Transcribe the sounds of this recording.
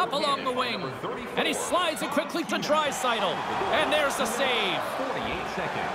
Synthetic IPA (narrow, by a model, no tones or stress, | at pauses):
ʌpəlɔ̃ŋðəwɪ̃ŋ | iʔɨ̃ñislaɪdzɨt̚kʰw̥ɪkʰlitɨdɹaɪ̥saɪɾl̩ˠɨ̃nðə˞zəseɪv̥fɔɹɾḭḛɪtsɛkɨ̰̃n̥